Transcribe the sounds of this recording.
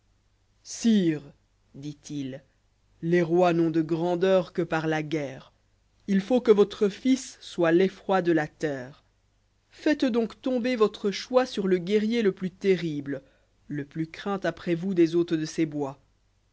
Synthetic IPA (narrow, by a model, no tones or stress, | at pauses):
siːʁ | d̪it̪il | leʁwanɔ̃d̪əɡʁɑ̃d̪œʁkəpaʁlaɡɛːʁ | ilfokəvɔt̪χəfisːwalefχwad̪əlat̪ɛːʁ | fɛt̪d̪ɔ̃kt̪ɔ̃bevɔt̪χəʃwasyʁləɡʲɛʁjeləplyt̪eʁiblə | ləplykχɛ̃t̪apχɛvud̪ezot̪χəd̪əsebwa